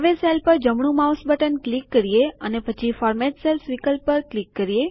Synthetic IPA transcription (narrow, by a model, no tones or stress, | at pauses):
ʋeselpəɾd͡ʒəmɳ̃ũmawsbəʈənklikːəɾijeənepət͡ʃʰifɔɾmɛʈselsʋikəlpːəɾklikːəɾie